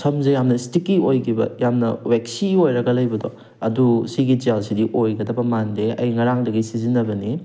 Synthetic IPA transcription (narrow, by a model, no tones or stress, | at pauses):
sɐmzɐjamnɐstikːiojɡʰibɐ̰jamnɐweksiojɾɐɡɐlɐjbɐdo | ɐdusiɡid͡ʒelsidiʔojɡɐdɐpɐmandeɐjŋɐɾaŋdɐɡisizinɐbɐni